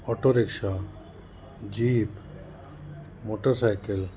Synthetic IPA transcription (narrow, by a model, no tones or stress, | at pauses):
ɔʈoɾekʃa | d͡ʑiːp | moʈəɾsajkel